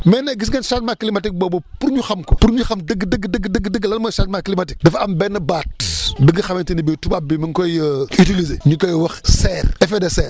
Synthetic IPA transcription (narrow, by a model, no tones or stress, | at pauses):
mɛːnɐɡisŋɡɐnʃat̚maklimɐtik̚bɔːbopuɾɲuxɐmkɔpuɾɲuxɐmdəɡːdəɡːdəɡdəɡːdəɡːlɐnmɔjʃatmaklimatik̚dɐfɐmbɛnːɐbaːt̚diɡɐxɐmɐntinibitubabimiŋkɔjəitilizeɲukɔjwɐxsɛrɛfedɛsɛːr